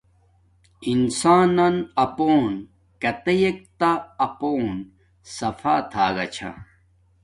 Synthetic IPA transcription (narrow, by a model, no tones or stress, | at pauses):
insaːnɐnɐpoːn | kɐt̪ejek̚t̪aːpoːn | sɐfa̰ːt̪ʰaːɡɐt͡ɕʰa̰